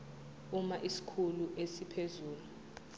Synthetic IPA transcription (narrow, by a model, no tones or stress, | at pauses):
umaʔisi̥kʰuluʔesipʰezuːlu